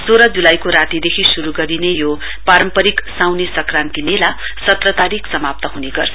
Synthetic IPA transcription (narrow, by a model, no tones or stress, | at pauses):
soɾʌd͡zulajkoɾat̪id̪ekʰisuɾuɡʌɾinejo | paɾʌmpʌɾiksawnesʌkrant̪imela | sʌt̪rʌt̪aɾiksʌmap̚t̪ʌɦuneɡʌrt͡sʰʌ